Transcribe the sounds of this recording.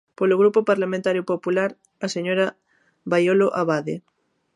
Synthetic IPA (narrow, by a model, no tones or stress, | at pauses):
poloɣɾupopaɾlamẽnt̪aɾjopopulaɾ | aseɲoɾa | βajoloʔaβaðe